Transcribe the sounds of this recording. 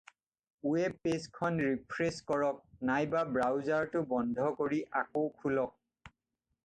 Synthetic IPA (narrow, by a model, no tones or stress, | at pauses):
uɛpeskʰɔnɹipʰɹeskɔɹɔk̚najbabɹawzaɹtʊbɔndʱɔkoɹiʔakowkʰulɔk̚